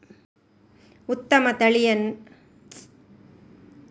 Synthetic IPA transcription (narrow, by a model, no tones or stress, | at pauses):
ʊt̪ːɐmɐt̪ɐɭɪjɐn